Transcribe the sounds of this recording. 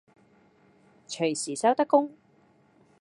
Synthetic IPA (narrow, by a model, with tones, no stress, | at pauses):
t͡ʃʰɵ˨˩ɥsiː˨˩sɐ˥wt̪ɐ˥kːʊ˥ŋ